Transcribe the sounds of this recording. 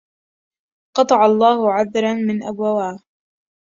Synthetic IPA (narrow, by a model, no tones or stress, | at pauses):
qɑt̪ˤɑʕɑlˤːɑːhʊʕaðɾˤɑnmɪnʔabwawaː